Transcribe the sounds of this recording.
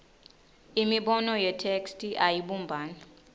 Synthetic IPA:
imiɓɔnɔjɛtʰekstʰʼiʔajiɓumbʱaːna

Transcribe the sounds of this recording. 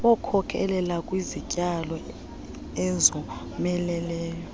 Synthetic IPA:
wɔkʰɔkʰɛ̰lɛlakʼwizicʼalɔ | ɛzɔ | mɛlɛlɛːjɔ

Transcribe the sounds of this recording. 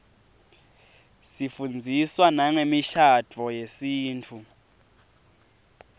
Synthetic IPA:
sifund͡zʱiswanaŋemiʃad̥ʱɔjesiːnt͡fʰu

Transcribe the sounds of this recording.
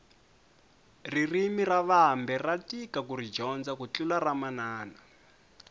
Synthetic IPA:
ririmiraβambɛratikakurid͡ʒɔnd͡zakut͡ɬularamanaːna

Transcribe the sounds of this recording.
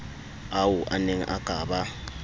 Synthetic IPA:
awʊʔa̰neŋ̩ʔaɡ̥ʱaːba

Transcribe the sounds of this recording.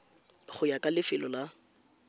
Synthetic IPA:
χʊjakʼalɪfɪlɔla

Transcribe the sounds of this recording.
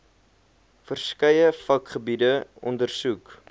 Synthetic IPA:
fərskɐjəfɐkχəbidəɔ̰ndərsuk

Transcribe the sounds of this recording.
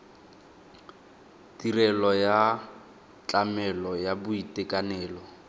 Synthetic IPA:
tirɛlɔja | t͡ɬʼamɛlɔjabʊitɛkʼanɛːlɔ

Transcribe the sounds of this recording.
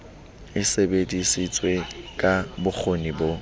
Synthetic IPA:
ɪsebedisit͡sʼwekʼabʊk͡xʰonibo

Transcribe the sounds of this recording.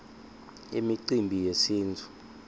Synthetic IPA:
ḭmiǀimbʱijesiːntʰu̥

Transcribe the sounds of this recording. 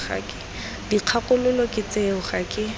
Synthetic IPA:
χa̰kʼɪ̥ | diq͡χʰakʼʊlʊlɔkʼɪt͡seʊχakʼɪ

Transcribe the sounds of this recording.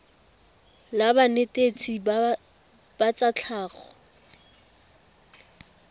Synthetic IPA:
labanetʼet͡sʰʼi | b̥at͡sat͡ɬʰaːɣɔ

